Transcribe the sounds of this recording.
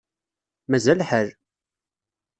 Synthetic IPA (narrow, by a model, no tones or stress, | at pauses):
mæzælħəl